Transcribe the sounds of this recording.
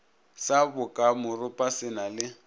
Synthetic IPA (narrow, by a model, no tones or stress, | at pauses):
sabʊkʼamʊrʊpʼasɪnalɪ